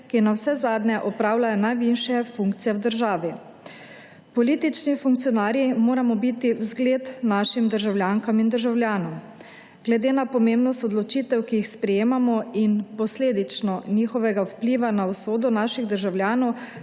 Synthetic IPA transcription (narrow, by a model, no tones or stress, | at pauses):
kinawsɛzaːd̪nʲɛʔɔpɾaːwlajɔnajʋinʃjɛfuŋk̚t̪sijɛwd̪əɾʒaːʋi | pɔliːt̪it͡ʃnifuŋk̚t̪sijɔnaːɾjimoːɾamɔbit̪iwzɡleːt̪naːʃimd̪əɾʒawlʲjaːŋkamind̪əɾʒawljaːnɔm | ɡ̥lɛd̪eːnapɔmembnɔst̪ɔd̪lɔt͡ʃiːt̪ɛwkijixspɾɛjeːmamɔinpɔsleːd̪it͡ʃnɔniːxɔʋɛɡawpliːʋanawsoːd̪ɔnaʃiɣd̪əɾʒawljaːnɔw